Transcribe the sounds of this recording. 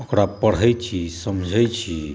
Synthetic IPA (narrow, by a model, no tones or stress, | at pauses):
okɾapəɽ̤əjt͡ʃʰisəmd͡ʒʱəjt͡ʃʰi